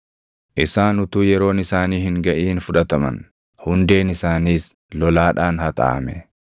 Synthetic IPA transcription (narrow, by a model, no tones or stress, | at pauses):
ʔɪsaːnʊt̪uːjɛɾo̞ːnɪsaːniːhɪŋɡɐʔiːnfʊᶑɐt̪ɐmɐ̰n | hʊnd̪e̞ːnɪsaːniːs | lɔlaːᶑaːnhɐt̪ʼa̰ːɐmɛ